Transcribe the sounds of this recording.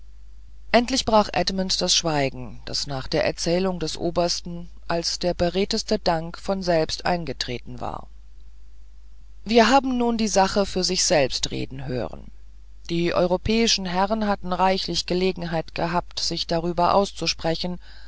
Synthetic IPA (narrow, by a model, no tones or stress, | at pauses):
ʔɛntlɪçb̥ʁaːχʔɛdməntd̥asʃv̥aɪɡŋ̩ | d̥a̰snaːχd̥eːɐʔɛɐt͡sɛːlʊŋdɛsʔo̰ːbɐstn̩ | ʔalsd̥eːɐbəʁeːtəstədaŋkfɔnzɛlpstʔa̰ɪnɡətʁ̥ḛːtn̩va̰ːɐ | viːɐɦaːbm̩nuːndiːzaχəfyːɐzɪçz̥ɛlpstʁḛːdn̩ɦø̰ːʁə̰n | d̥iːʔɔ̰ʏʁopʰɛːɪʃn̩ɦɛʁənɦatn̩ʁaɪçlɪçɡ̥əleːɡŋ̩ɦaɪtɡ̥əɦaːptz̥ɪçd̥aʁyːbɐʔa̰ʊst͡suʃpʁ̥ɛçn̩